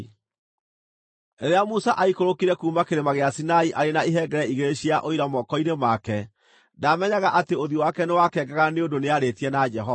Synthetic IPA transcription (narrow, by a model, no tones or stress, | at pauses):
eɾeamusaʔaikoɾokiɾɛkuːmakeɾemaɣeasinaiʔaɾenaiɦɛɡɛɾɛiɣeɾeʃiaʔoiɾamɔkɔinemakɛ | damɛɲaɣaʔateoðiowakɛnewakɛːɡaɣaneondoneaɾetiɛnad͡ʒɛɦɔa